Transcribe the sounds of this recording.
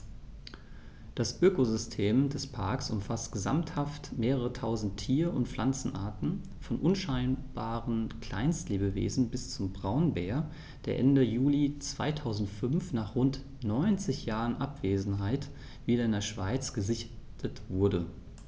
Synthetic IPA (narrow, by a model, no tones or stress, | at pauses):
d̥asʔøkozʏstʰeːmdɛspʰaɐksʔʊmfastɡ̥əza̰mthaftmeːʁəʁətʰaʊzn̩tʰːiːɐʊntfl̥ant͡sn̩ʔa̰ːɐtn̩ | fɔnʔʊnʃaɪnb̥aːʁənkl̥a̰ɪnstleːbəvḛːzn̩bɪst͡sʊmbʁaʊnbeːɐ | d̥eːɐʔɛndəjuːlit͡sv̥a̰ɪtʰaʊzn̩tfʏnfnaːχʁʊnt | nɔʏnt͡sɪçjaːʁənʔapv̥eːzn̩ɦaɪt | v̥iːdɐɪndeːɐʃv̥aɪt͡sɡ̥əzɪçtʰətv̥ʊɐdə